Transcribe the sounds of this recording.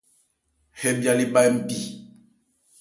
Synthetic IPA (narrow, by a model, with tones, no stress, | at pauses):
he˦bja˨li˦ba˦jm̩˦˨bi˨